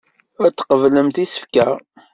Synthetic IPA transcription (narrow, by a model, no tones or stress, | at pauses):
æt͡sːqəvləmt̪isə̥fkæ